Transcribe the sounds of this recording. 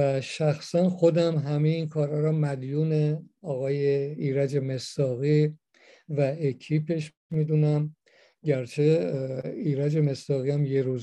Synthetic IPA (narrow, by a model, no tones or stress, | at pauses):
æʃæxsænxo̞d̪æmɦæmejinkʰɒːɾhɒːɾɒmæd̪juːneɒːɣɒːjeiːɾæd͡ʒeme̞sd̪ɒːɣi | væecʰiːpʰe̞ʃ | mid̪uːnæm | ɟæɾt͡ʃʰe̞ | iːɾæd͡ʒe̞me̞sd̪ɒːɣiæmje̞ɾuːz